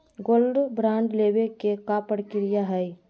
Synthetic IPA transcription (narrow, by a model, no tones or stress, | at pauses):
ɡoːlɖbɾãːɳɖlebekekapəɽkɪɾɪjaɦɛi